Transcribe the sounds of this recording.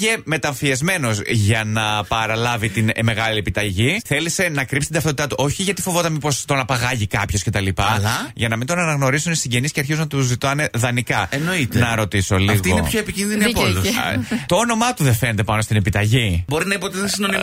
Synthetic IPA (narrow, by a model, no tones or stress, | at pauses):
eme̞t̪ɐɱfiezme̞no̞zʝɐnɐpɐɾɐlɐvit̪inme̞ɣɐlie̞pit̪ɐʝiθe̞lise̞nɐkɾipsit̪d̪ɐft̪ot̪it̪ɐt̪uʔo̞çi̥eʝɐt̪ifo̞vo̞t̪ɐnmipo̞st̪o̞nɐpɐɣɐʝikɐpço̞sce̞t̪ɐlipɐlɐʝɐnɐmind̪o̞nɐnɐɣno̞ɾisunisiɲɟe̞nisceɐɾçizunɐt̪uzit̪ɐne̞ðɐnikɐeno̞it̪enɐɾo̞t̪iso̞lifɣt̪ionepçoepicinðiniɐpolust̪o̞ono̞mɐt̪uðefened̪e̞pɐno̞st̪inepit̪ɐʝibo̞ɾinɐipot̪eðssinoni